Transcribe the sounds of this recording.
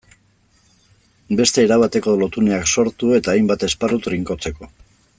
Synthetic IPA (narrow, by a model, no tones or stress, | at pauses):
be̞st̪e̞ːɾaβat̪e̞ko̞lo̞t̪une̞akso̞ɾt̪ue̞t̪aːjmbat̪e̞sparut̪riŋko̞t͡se̞ko̞